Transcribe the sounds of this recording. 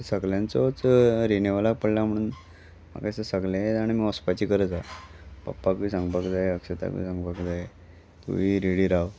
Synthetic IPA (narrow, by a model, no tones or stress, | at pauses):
səɡljãnt͡sɔt͡sɾeneʋalak̚pəɽlam̤əɽ̃uːn | ma̰kajsəsəɡlejet̪aɽ̃imiɔspat͡ɕiːkəɾəd͡zapa̰pːakuʋisãŋɡbakd͡zajeəkʂət̪a̰kṵḭsãŋɡbakd͡zae | t̪ṵʋiɾeɽiːɾaw